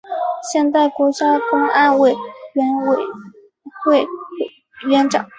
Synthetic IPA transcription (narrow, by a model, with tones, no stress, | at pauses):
ɕjɛ˥˧nt̪a˥˩ɪkwɔ˧˥t͡ɕja˥kʊ˥ŋa˥˧nwe˥˩ɪɥne˨˩ɪ | xwe˥˧ɪ˩ | ɥɛ˧˥nʈ͡ʂɑ̰˨˩˦